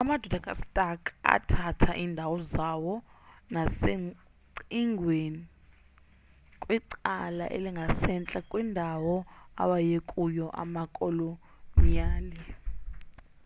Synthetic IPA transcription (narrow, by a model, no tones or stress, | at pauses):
amad̥ʱɔd̥ʱakʼa̰stʼakʼa̰tʰatʰaʔindʱawɔzawɔnase | ǀiŋɡʱweni | kʼwiǀala̰ʔḛliŋɡʱasɛnt͡ɬʼakʼwindʱawɔa̰ɓajekʼujɔʔa̰makʼolo | niaːlɛ